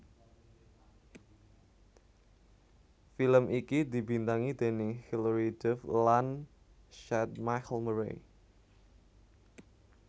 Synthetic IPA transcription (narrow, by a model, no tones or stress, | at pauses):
filəmʔikid̪i̤bint̪aŋid̪e̤nihilɾid̪ɛflan | ʃɛt̪̚makəlməɾḛ